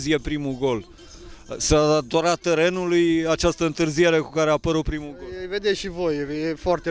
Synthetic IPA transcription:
zije̞pɾimuɡo̞l | sad̪ad̪oɾatt̪ːeɾe̞nulujat͡ʃast̪əɨnt̪ɨrzije̞ɾe̞kukaɾe̞apəɾupɾimuɡoeved̪eʃivo̞jjefoart̪e

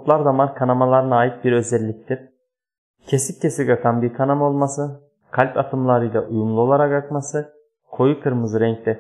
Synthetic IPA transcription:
p̪lˠaɾd̪amaɾkʰanamalˠaɾɯnaːjit̪̚biɾø̞zɛlʲːic̚t̪ʰiɾ̥ | cʰesip̚cʰesiɡakʰanbiɾkʰanamo̞lˠmasɯ | kʰalʲpat̪ʰɯmlˠaɾɯjlˠaʔujumlˠuo̞lˠaɾakakmasɯ | kʰo̞jukʰɯɾmɯzɾɛɲclʲɛ

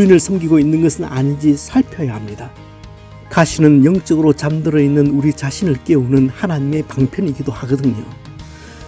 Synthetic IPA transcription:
inɯɭsʰʌmɡiɡoinːɯnɡʌsʰɯna̰ɲind͡ʑisʰʌɭpʰjʌjahamɲida | kaɕʰinɯnjʌŋt͡ɕ͈ʌɡɯɾot͡ɕamdɯɾʌinːɯnuɾit͡ɕaɕʰinɯɭk͈e̞unɯnhanaɲime̞paŋpʰjʌɲiɡidohaɡʌdɯɲo

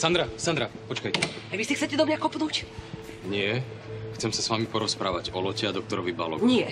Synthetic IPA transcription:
sand̪ɾasand̪ɾapɔt͡ʃkajcɛajʋixsixtt͡sɛcɛd̪ɔmɲakɔpnuːc | ɲɪɛ | xt͡sɛmsasʋamipɔɾɔspɾaːʋaɟɔlɔcɛad̪ɔk̚t̪ɔɾɔʋibalɔ̰ɲɪɛ

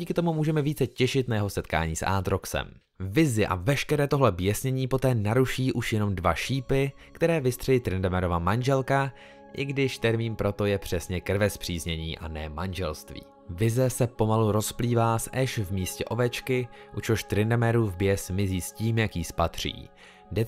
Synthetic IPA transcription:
iːkɪt̪o̞mumuːʒɛmɛviːt͡sɛcɛʃɪt̪najɛɦo̞sɛt̪ka̰ːɲiːsʔa̰ːt̪ɾoksɛ̰m | vɪzɪʔa̰vɛʃkɛɾɛːt̪o̞ɦlɛbjɛsɲɛɲiːpo̞t̪ɛːnaɾuʃiːʔuʃjɛno̞mdvaʃiːpɪ | kt̪ɛɾɛːvɪst̪r̥ɛliːt̪ɾɪndɛmɛɾo̞vamanʒɛlka | ʔɪɡdɪʃt̪ɛɾmiːnpɾo̞t̪o̞jɛpr̝̥ɛsɲɛkr̩vɛspr̥iːzɲɛɲiːʔa̰nɛmanʒɛlst̪vḭː | vɪzɛsɛpo̞maluɾo̞spliːvaːsʔɛʃvmiːscɛʔo̞vɛt͡ʃkɪʔut͡ʃoʃt̪ɾɪndɛmɛɾuːvbjɛsmɪziːsciːmjakjispat̪r̝̥ḭː | dɛ

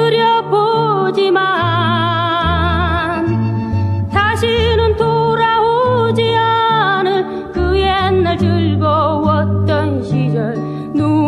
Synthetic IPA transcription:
ɾjʌpod͡ʑima | n | sʰaɕʰinɯnt̪ʰoɾaɦod͡ʑianɯn | kɯenaɭtɯɭɡoʌt̪͈ːʌnɕid͡ʑʌɾ | nu

